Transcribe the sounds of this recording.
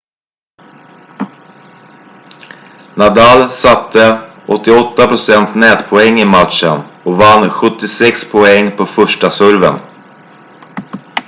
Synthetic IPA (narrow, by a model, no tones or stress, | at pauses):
nad̪alsat̪ʰːə | ʔɔt̪ːɪɔt̪ːapɾʊsɛnt̪snɛːt̪pʰɔɛŋːɪmat̪ʂənɔvanːɧɵt̪ːɪsɛkspʰɔɛŋːpʰɔfœʂʈasɵɾvə̰n